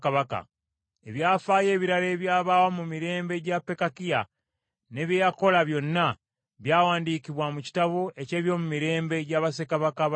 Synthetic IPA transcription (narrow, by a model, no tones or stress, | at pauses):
kaβaka̰ | e̞βjaːfaːje̞ːβiɾale̞ːβjaːβaːwamumiɾe̞ːmbe̞ɟapːe̞kakija | ne̞βjeːjako̞laβjo̞nːa | βjaːwaːndiːkiβwamuci̥taβo̞e̞ce̞ːβjo̞ːmumiɾe̞ːmbe̞ɟaβasekaβaka